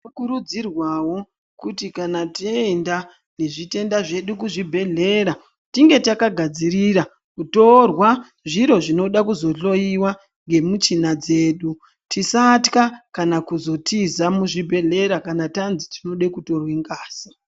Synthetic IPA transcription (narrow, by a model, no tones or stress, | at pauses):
okuɾud͡zirwawo̞ | kutikanatienda | ne̞ʐite̞ndaʐe̞ɗuk̬uʐibʱe̞ɮe̞ɾa | tiŋɡe̞takaɡʱad͡ziriɾa | kuto̞rwa | ʐiɾo̞ʐino̞ɗakuzo̞ɬo̞iwa | ŋɡe̞mut͡ʃinad͡ze̞ːɗu | tisatkakanakuzo̞tʰizamuʐibʱe̞ɮe̞ɾakanatanziti̥no̞ɗekuto̞rwiŋɡaːsi